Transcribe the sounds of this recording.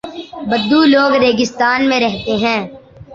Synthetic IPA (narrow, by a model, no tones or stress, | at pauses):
bəd̪ːuloːɡɾeːɡɪst̪aːnmẽɾɛɦt̪eɦɛ̃ː